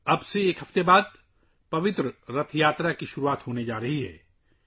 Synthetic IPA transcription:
ɐbseeːkɦɐft̪ebaːd̪̚ | pɐʋɪt̪ɾəɾɐt̪ʰjaːt̪ɾakiʃʊɾuaːt̪ɦoːned͡ʒaːɾɐɦiɦɛ̰ː

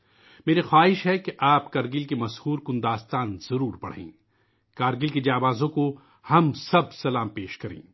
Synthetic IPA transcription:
meːɾixwaːɦɪʃɦɛkeʔaːpkɐɾɡɪlkemɐshuːɾkʊ̃nd̪aːst̪aːnz̥ɐɾuːɾpɐɽ̤ḛ̃ː | kaːɾɡɪlked͡ʒaːbaːzõko | hɐmsɐb̚sɐlaːmpeːʃkɐɾḛ̃ː

